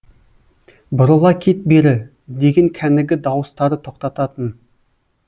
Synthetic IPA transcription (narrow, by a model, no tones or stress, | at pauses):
bʊɾəlˠɑkʲʰet̪̚beɾɪ | d̪e̞ɡʲeŋkʲʰænɪɡʲɪd̪ɑwəst̪ɑɾət̪ʰo̞qt̪ɑt̪ɑt̪ən